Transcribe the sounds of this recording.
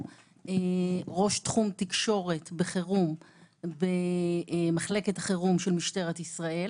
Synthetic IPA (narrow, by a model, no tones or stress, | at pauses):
eʁo̞ʃtχumt̪ikʃo̞ʁetbeχeʁum | be | maχle̞ketḁχeʁumʃelmiʃteʁet̪isʁae̞l